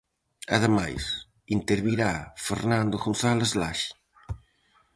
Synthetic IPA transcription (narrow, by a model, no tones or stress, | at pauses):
a̰ðəma̰js | int̪eɾβiɾafeɾnand̪oɣonθalezlaʃi̥